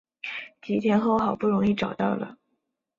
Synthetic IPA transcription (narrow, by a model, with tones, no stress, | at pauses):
t͡ɕi˧˥t̪ʰjɛ˧˥nxo˥˩ʊxɑ˨˩ʊpu˥˩ɻʊ˧˥ŋi˥˩ʈ͡ʂɑ˨˩ʊt̪ɑ˥˩ʊlə̰˩